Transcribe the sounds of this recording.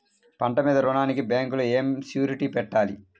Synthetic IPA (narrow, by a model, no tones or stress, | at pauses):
pɐɳʈɐmiːd̪ɐɾunaːnikibaːŋkuloeːmsjuːɾiʈipɛʈːaːlḭ